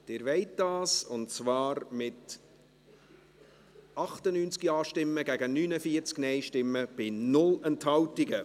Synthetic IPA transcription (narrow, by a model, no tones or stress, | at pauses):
d̥ɪːɾʋɛɪt̚d̥ɑːsʊnt͡svɑːɾmɪt | ɑχtənyːnt͡skiɑːʃtɪmːəɡæɡənyːnəfiːəɾt͡sknɛɪʃtɪmːəb̥ɪnʊlɛnthɑwtɪɡə